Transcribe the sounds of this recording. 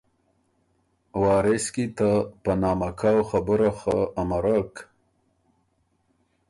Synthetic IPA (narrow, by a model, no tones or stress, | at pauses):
wɑːɾɪskit̪apanɑmakʰawxabəɾaxaːmaɾak